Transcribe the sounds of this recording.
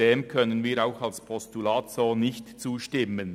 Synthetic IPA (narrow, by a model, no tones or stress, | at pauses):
eːmkʰœnənviːɾaʊxɑlspʰɔstulaːt̪soːnɪçtt͡suːʃtɪmən